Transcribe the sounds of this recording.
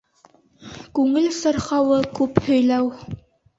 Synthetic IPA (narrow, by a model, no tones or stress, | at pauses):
kʉŋɘlsɤ̆ɾχɑwɤkʉphɵ̆jlæw